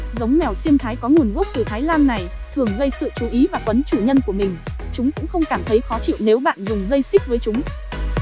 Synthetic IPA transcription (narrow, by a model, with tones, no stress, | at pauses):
zə˨˦wŋ͡mmɛ˧˩wsi˧əmt̪ʰaː˨˦jkɔ˨˦ŋu˨˩ənɣo˦˥k͡p̚t̪ɨ˧˩t̪ʰaː˨˦jlaː˧nːa˨˩jt̪ʰɨ˨˩əŋɣə˧jsɨ̰˧˨t͡ɕu˨˦ʔi˨˦vaː˨˩kwə˨˦nt͡ɕu˧˩ɲə˧nku˧˩əmï˨˩ŋ̟t͡ɕʊ˨˦ŋ͡mkʊ̰˧˥ŋ͡mxə˧wŋ͡mkaː˧˩mt̪ʰə˨˦jxɔ˨˦t͡ɕḭ˧˨wne˨˦wɓa̰ː˧˨nzʊ˨˩ŋ͡mzə˧jsï˦˥k̚vəː˨˦jt͡ɕʊ˨˦ŋ͡m